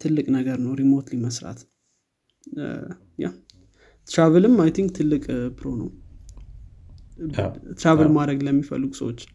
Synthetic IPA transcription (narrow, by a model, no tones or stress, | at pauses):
t̪ʰɨlːɨkʼnəɡəɾnəwɾimot̪liməsɾa̰t̪ | ja̰ | t̪ɾavɨlɨmajt̪ʰiŋk̚t̪ʰɨlːɨkʼpʰɾonəw | t̪ɾavɨlmad̪ɾəɡləmːifə̰lːɨɡusə̰wot͡ʃː